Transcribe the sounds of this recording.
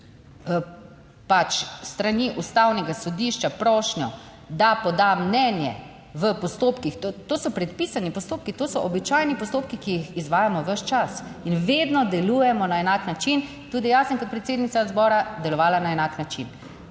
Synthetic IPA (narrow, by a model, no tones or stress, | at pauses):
pat͡ʃst̪ɾaniʔust̪awnɛɡasɔd̪iʃt͡ʃapɾɔːʃnjɔ | d̪apɔd̪amnɛnjɛ̰ | ʋəpɔst̪oːpkixt̪ot̪oːsɔpɾɛt̪̚pisanipɔst̪oːp̚kit̪oːsɔʔɔbit͡ʃajnipɔst̪oːpkikijixizʋaːjamɔʋəʃt͡ʃas | inʋed̪nɔd̪ɛlujɛmɔnaɛnaːknat͡ʃin | t̪uːd̪ijasəmkɔt̪pɾɛt̪seːd̪nit̪sazbɔːɾad̪ɛlɔʋaːlanaɛnaknat͡ʃin